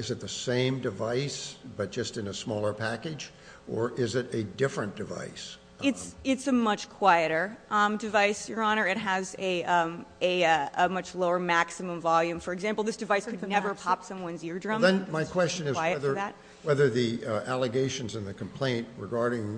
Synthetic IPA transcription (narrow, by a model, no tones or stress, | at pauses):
ɨzɨt̪̚ðɨsẽɪ̃mdɨvaɪsb̥ʌt̚d̥ʒ̥ʌstɨ̃nɨsmɔlˠə˞pʰækɨd͡ʒ | ʔə˞ʔɪzɨɾɨdɪfɹɨ̃nd̥ɨva̰ɪs | ɪtsɪtsɨmʌt͡ʃkʰw̥aɪɨɾə˞ʔʌdɨvaɪsjə˞ɑñə˞ɨt̚ɦɨzɨ | ɨəmʌt͡ʃloʊə˞mæksɨmə̃ɱvɑlˠjʉ̃ɱfə˞ɨɡzæ̃mpl̩ˠðɪsd̥ɨvaɪskʰɨdnɛvə˞pʰɑpsʌ̃mwʌ̃nzjɪɹdɹʌ̃mðɨ̃nmaɪkʰw̥ɛst͡ʃɨ̃nɨzwaɪɛðə˞ðæt̚ | wɛðə˞ðiælˠɨɡeɪʃɨ̃nzɨ̃nðɨkʰm̩pʰl̥ẽɪ̃nʔ̚ɹɨɡɑɹɾɪ̃ŋ